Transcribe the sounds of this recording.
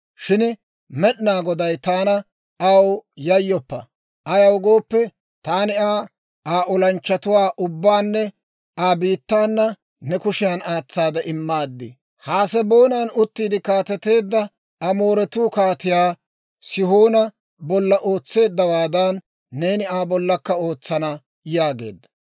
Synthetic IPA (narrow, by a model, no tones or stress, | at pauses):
ʃɪn | mɛɗnaːɡɔd̪ɐjt̪aːnɐ | ʔɐwjɐjːɔpːɐ | ʔɐjɐwɡo̞ːpːɛ | t̪aːnɪaː | aːʔɔlɐnt͡ʃːɐt̪ʊwaːʔʊbːaːnːɛ | aːbiːt̪ːaːnːɐ | nɛkʊʃɪjanaːt͡sːaːd̪ɐʔɪmːaːd̪ːɪ | haːsɛbo̞ːnanʊt̪ːiːd̪ɪkaːt̪ɛt̪ːe̞ːd̪ːɐ | ɐmo̞ːɾɛt̪uːkaːt̪ɪjaː | sɪhoːnɐ | bɔlːɐʔo̞ːt͡sːe̞ːd̪ːɐwaːd̪ɐnː | e̞ːnɪaːbɔlːɐkːɐo̞ːt͡sːɐnɐ | jaːɡe̞ːd̪ːɐ̥